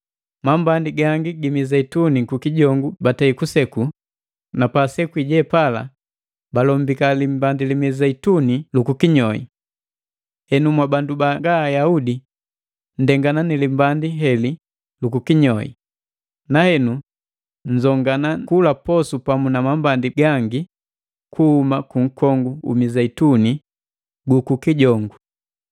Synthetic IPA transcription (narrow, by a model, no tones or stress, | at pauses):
mambandiɡaŋɡiɡimizaitunikukiɟɔŋɡubataikusɛku | napasɛkwiɟɛpala̰ | balɔmbikalimbandilimizaitunilukukiɲɔḭ | hɛnumwabandubaŋɡaːjaudi | n̩dɛŋɡananilimbandiɦɛli | lukukiɲɔḭ | nahɛnu | n̩zɔŋɡanakulapɔsupamunamambandiɡaŋɡi | kʰuhumakuŋ̩kʰɔŋɡuṵmizɛituni | ɡukukiɟɔŋɡu